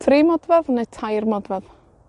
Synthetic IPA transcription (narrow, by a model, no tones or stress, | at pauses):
tʰrimɔdvɛðnetʰajrmɔdvɛð